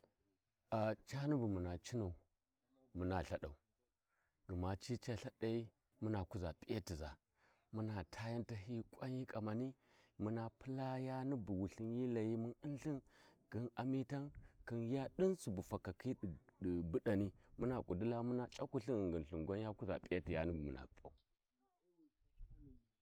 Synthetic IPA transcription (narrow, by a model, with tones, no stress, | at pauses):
a˨t͡ʃa˦nu˦bu˨mu˨na˨t͡ʃi˦na˨u˨ | mu˦na˨ɬa˦ɗa˨u˨ | ɡə˨ma˨t͡ʃi˦t͡ʃa˦ɬa˦ɗa˦i˦ | mu˦na˨ku˦za˨pʼi˦ja˦ti˨za˨ | mu˦na˨tʰa˦ja˦nta˦ɦi˦kʷa˦ɲi˦kʼa˨ma˨ni˦ | mu˦na˨pə˦la˦ja˦ni˦bu˨wu˨ɬi˦nji˦la˨ji˦mu˦ni˦n˦ɬi˦nɡ̥i˦na˨mi˦ta˦nki˦nja˦ɗi˦nsu˨bu˨fa˨ka˨kʰi˦˨bu˦ɗa˨ni˦mu˦na˨kʷʼu˨du˦la˦mu˦na˨t͡ʃʼa˦ku˦ɬi˦n˨ɡə˨n˨ɬu˨ɡʷa˦nja˦ku˦za̰˨pʼi˦ja˦ti˨ja̰˦ni˦ɡmṵ˨na̰˨pʼi˦a̰˨˦